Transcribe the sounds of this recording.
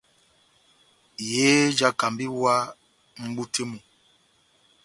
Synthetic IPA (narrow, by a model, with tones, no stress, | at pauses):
jeː˦d͡ʒa˦ka˨mbi˦wa˦ | ŋ͡m̩˦ɡ͡bu˦te˦mu˨